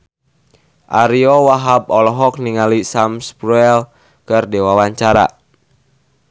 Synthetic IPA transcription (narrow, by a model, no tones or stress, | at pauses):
ʔaɾiɔwaɦab̚ɔlɔɦɔk̚niŋalisamspɾuɛl | kɨrdɛwawaɲt͡ʃaɾa̰